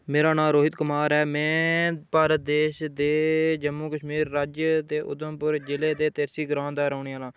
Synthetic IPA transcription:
meːɾaːnãːmɾoːɦɪt̪kʊmaːɾɦɛːmɛ̃ːpaːɾəd̪eːʃd̪eːd͡ʒəmːuːkəʃmiːɾːaːd͡ʒjət̪eːʔʊ̰d̪əmpʊɾd͡ʒɪleːd̪eːt̪ɪɾsiːɡɾãːnd̪aːɾəːɳːaːlãː

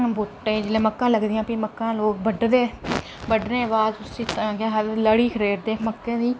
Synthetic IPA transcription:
bʊʈːeːd͡ʒɪlẽːməkːãːləɡd̪ɪjãːpiməkːãːloːk̚bəɖd̪eː | bəɖnẽːəʋaːzʊsĩːt̪ːɡeːɦələɽiːkʰəɾeːɾd̪eːməkːẽːd̪iː

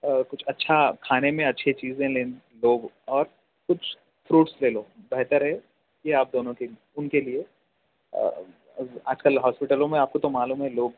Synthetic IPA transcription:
kʊt͡ʃʰɐtːʃʰakʰaːnemẽɐtːʃʰet͡ʃiːzẽleːn | loːb | ɔːɾ | kʊt͡ʃʰ | fɾuːʈsleːloːbɛɦt̪əɾɦɛ | kiaːp̚d̪oːnõke | ʊnkeliḛ | aːd͡ʒkəlɦɔːspɪʈəlõmẽaːp̚kot̪omaːluːmɦɛ̃loːɡ̚

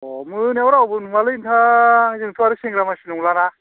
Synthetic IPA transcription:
ɔmɯnewɾawbɯnuŋalɯintʰazɯŋtʰuaɾɯseŋɡɾamasinuŋlana

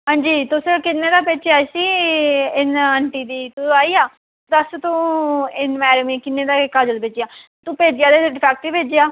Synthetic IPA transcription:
ɦãːɲd͡ʒiːt̪ʊskɪnːeːd̪aːpeːt͡ʃaːsiːɪnəɳʈiːd̪iːt̪uaːiːaː | d̪əst̪ũːɪnmɛːɾmĩːkɪnːeːd̪aːɪkːad͡ʒəlpeːd͡ʒjaː | t̪ũːpeːd͡ʒɪjaːd̪eːɖɪpʰɛːk̚ʈiːpeːd͡ʒɪjaː

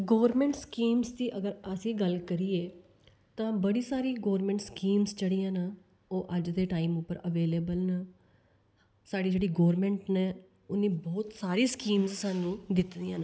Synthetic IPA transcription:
ɡoːɾmɛ̃ːɳʈskiːmzt̪iːʔəɡəɾəsĩːɡəlkəɾiːeː | t̪ãːbəɽiːsaːɾiːɡoːɾmɛ̃ːɳʈskiːmzt͡ʃəɽiːãːna | oːʔəd͡ʒd̪eːʈaːiːmʊpːəɾəʋeːleːbəlnaː | saːɖiːd͡ʒeːɽiːɡoːɾmɛ̃ːɳʈneː | ʊnːĩːbɔːt̪saːɾiːskiːmzsaːnũːd̪ɪt̪d̪ijãːna

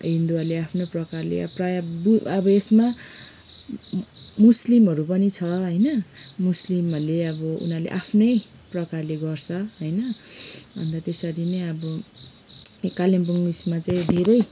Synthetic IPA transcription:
ɦind̪ualeapʰnoprʌkarlḛʌ̰prajʌbʌbʌesma | muslimɦʌɾupʌnit͡sʰʌɦʌjnʌmuslimʌleʌbʌṵnalḛʔapʰnʌj | prʌkarleɡʌrt͡sʰʌɦʌjnʌbʱʌ̰nd̪at̪esʌɾinʌʌbʌ | kalimbuŋbismat͡saĩd̪ʱeɾʌj

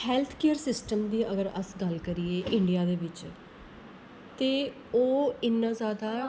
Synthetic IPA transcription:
hɛːlt̪ʰkeːəɾsɪsʈəmd̪iːʔəɡəɾə̰sɡəlkəɾieːʔɪɳɖijaːd̪eːʋɪt͡ʃ | t̪eː | oːɪnːãːzjaːd̪aː

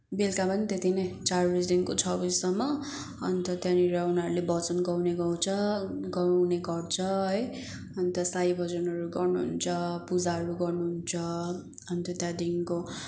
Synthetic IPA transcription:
belkapʌnit̪et̪ʰinʌjt͡sarbisd̪inkot͡sʰʌbizsʌmːʌ | ʌnt̪ʌt̪jãniɾʌunaʌɾulebʌt͡sʌnɡʌwneɡʌw̃t͡sʰʌɡʌwneɡʌrt͡sʰʌɦʌj | ʌnt̪ʌsaibʱʌd͡zʌnʌɾuɡʌrnuɦṵnt͡sʰʌpud͡zaɦʌɾuɡʌrnuɦunt͡sʰʌ | ʌnt̪ʌt̪jãd̪inko

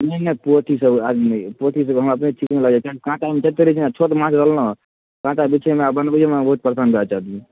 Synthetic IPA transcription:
nɛnəpot̪ʰisəbad͡ʒnpot̪ʰis̬əbɦəməpnet͡ʃʰikmeləɡd͡ʒat͡ʃakikãʈamet͡ʃət̪eɾit͡ʃʰinat͡ʃʰot̪mãt͡ʃɾəlnə | kãʈabit͡ʃʰemeabənbəd͡ʒemebəɦut̪̚pɾəsanbʱəat͡ʃaɦd̪i

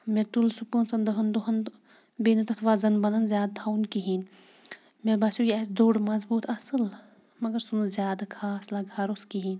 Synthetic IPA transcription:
met̪ulsupəːnt͡sɐnd̪ɨɦɐnd̪uɦɐn | benit̪ɐt̪ʰʋaːzɐnbɐnɐnzjaːd̪̚d̪ʰʱawnkiɦin | mebaːsjujɛsd̪oːɽmɐzbuːt̪ʰɐsɨl | mɐɡɐɾsunzʲjaːd̪akʰaːslaɡʱɐɾoskiɦiːn

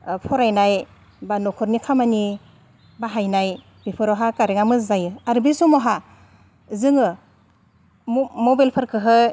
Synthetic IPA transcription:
pʰɔɾajnaj | banɔkʰɔɾnikʰamani | baɦajnaj | bipʰɯɾɔɦakaɾeŋamɯzajɯaɾbisumɔɦa | zɯŋɯ | mɔbelpʰaɾkʰɯɦɯ

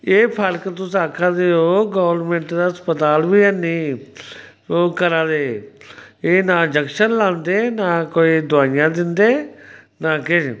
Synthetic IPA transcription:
eːpʰəɾkt̪ʊsaːkʰãːd̪eːoːɡɔːʋəɾmẽːɳʈd̪aːspət̪aːlʋiːɛniː | oːkəɾãːd̪eː | eːnaːd͡ʒəkʃəɾlãːnd̪eːnaːkoːiːd̪ʊaːɪjãːd̪ɪnd̪eːnaːkɪ

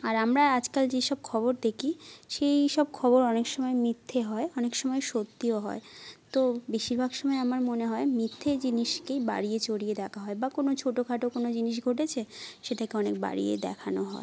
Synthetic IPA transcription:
aɾamɾaad͡ʑkald͡ʑeʃɔb̚kʰɔβoɾd̪ekʰiʃejʃɔb̚kʰɔboɾɔnekʃɔmɔemɾit̪ʰːeɦɔeɔnekʃɔmɔeʃot̪ːioɦɔ̰et̪obeʃiɾbʱaɡʃɔmɔeamaɾmoneɦɔemit̪ʰːeɾd͡ʑiniʃkejba̰ɽiet͡ɕoɽijed̪ɛkʰaɦɔebakonot͡ɕʰoʈokʰaʈokonod͡ʑiniʃ̬ɡʱoʈet͡ɕʰeʃeʈʰakeɔnek̚ba̰ɽḭjḛd̪ɛ̰kʰanoɦɔ̰e

